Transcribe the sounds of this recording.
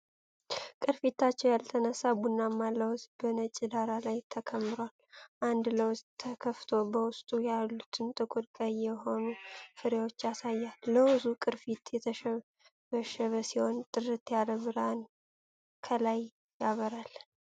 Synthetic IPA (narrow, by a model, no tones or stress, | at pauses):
kʼɨɾfit̪ʰːat͡ʃːɛwjalt̪ʰənəsːabunːamːalːəwzbənət͡ʃʼid̪aɾalajt̪ʰəkʰəmːɨɾwalʔand̪ləwʊst̪ʰːəkʰəft̪ʰo̞bəwʊst̪ʼujalːut̪ʰɨnt̪ʼɨkʼud̪kʼajːɛɦo̞nufɨɾewot͡ʃːasajːalːəwɨzukʼɨɾfit̪jɛt̪ʰəʃə | βəʃəβəsiho̞nt̪ʼɨrɨt̪jaləβɨɾan | kʰəlaj | jaβəɾal